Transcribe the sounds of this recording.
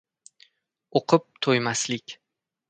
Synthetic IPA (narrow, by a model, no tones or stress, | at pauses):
oqʰɨp̚t̪ʰojmaslɪkʲ